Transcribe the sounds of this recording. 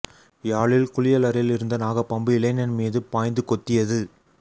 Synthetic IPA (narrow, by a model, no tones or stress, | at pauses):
jaːɭɪlkʊlɪjɐlɐɾɪlɪɾɯnd̪ɐnaːɣɐpːɐmbɯɪlɐɪnɐnmiːðɯpaːjnd̪ɯkɔt̪ːɪjɐðɯ